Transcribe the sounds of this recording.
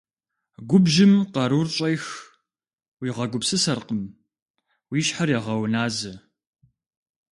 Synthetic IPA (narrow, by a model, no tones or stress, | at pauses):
ɡʷʊbʒɪmqɐɾurɕʼɐjx | wiːʁɐɡʷʊpsɨsɐrqəm | wiːɕħarjaʁɐwnaːzɐ